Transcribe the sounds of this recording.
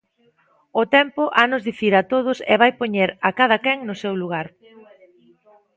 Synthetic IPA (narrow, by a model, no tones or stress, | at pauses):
ʊt̪ɛmpʊʔanʊzðiθiɾat̪oð̞ʊsɛ̰βajpoɲeɾakaðɐkɛŋnʊsewluɣ̞aɾ